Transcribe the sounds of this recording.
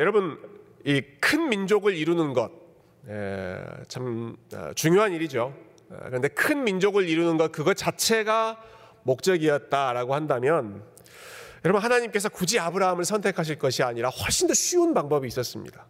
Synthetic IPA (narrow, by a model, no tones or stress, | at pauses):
jʌɾʌbɯnikʰɯnmind͡ʑoɡɯɾiɾunɯnɡʌt̚ | ḛt͡ɕʰamʌ̰t͡ɕuŋjoɦaniɾid͡ʑo̰ | kɯɾʌnde̞kʰɯnmind͡ʑoɡɯɾiɾunɯnɡʌt̚kɯɡʌt̚t͡ɕat͡ɕʰe̞ɡa | mok̚t͡ɕ͈ʌɡiʌt̚t͈aɾaɡohandamjʌn | jʌɾʌbɯnɦanaɲimk͈e̞sʰʌkud͡ʑiabɯɾaɯmɯɭsʰʌntʰe̞kʰaɕ̬ʰiɭk͈ʌɕʰiaɲiɾahwʌɭɕ͈indoɕʰiunbaŋbʌbiːs͈ʌs͈ɯmɲḭd̥a